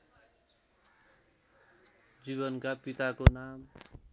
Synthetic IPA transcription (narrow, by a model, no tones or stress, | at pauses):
d͡ziβʌnkapit̪akonam